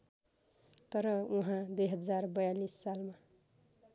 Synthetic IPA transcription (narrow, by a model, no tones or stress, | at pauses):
t̪ʌɾʌuɦãd̪ujɦʌd͡zarbʌjalisːalma